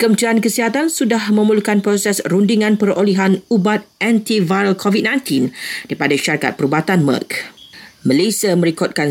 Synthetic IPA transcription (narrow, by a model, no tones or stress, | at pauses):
kəmt̪iankəsiɦat̪ansudahmə̃məlukanpɾosɛsrundiŋãnpəɾoliɦanubat̪̚ɛ̃nt̪ivaəlkʰɔvit̚nãj̃nt̪indipadaʃaɾika̰t̪̚pəɾubat̪anma̰k | məlesiamə̃ɾikɔt̪̚kan